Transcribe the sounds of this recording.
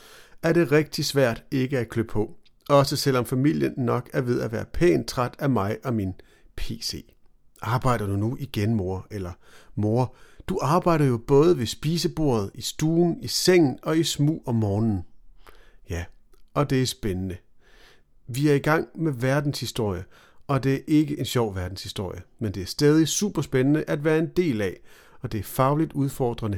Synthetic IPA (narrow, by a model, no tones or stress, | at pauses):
æɐɾe̝ʁɛɡ̥̚d̥isʋæɐ̰d̥e̝ɡ̥əækʰløb̥pʰɒ̽ | ɒ̽səsel̰ɒ̽mfæmil̰jənːɒ̽ɡ̥æɐʋe̝ð̞ˠæʋæːɐpʰɛ̰ːnt͡sʰʁɑd̥æmɑ̈ɪʔɒ̽min | pʰe̝̰ːse̝̰ː | ʔɑ̈ːb̥ɑ̈ɪ̰ɾ̥ɐd̥unuʔiɡ̥enmo̝ɐelɐmo̝ːɐd̥uʔɑ̈ːb̥ɑ̈ɪ̰ɾ̥ɐjo̝b̥ɔ̽ːð̞ˠəʋe̝sb̥iːsəb̥o̝̰ɐ̰ð̞̩ˠisd̥uːn̩iseŋ̰n̩ɒ̽ismṵːɒ̽mɒːnn̩ | jæ | ɒ̽d̥e̝æɐsb̥enənə | ʋiæɐiɡ̥ɑ̈ŋ̰meʋæɐd̥n̩shisd̥o̝ɐ̰jə | ɒ̽d̥e̝æɐʔe̝ɡ̥əʔe̝nɕɒʊ̰ʋæɐd̥n̩shisd̥o̝ɐ̰jəmend̥e̝æɐsd̥ɛːð̞ˠisṵːb̥ɐsb̥enənəʔæd̥ʋæːɐe̝nd̥e̝̰ːlɛ | ɒ̽d̥e̝æɐfɑ̈ʊlid̥uð̞ˠfɒːd̥ʁɐnə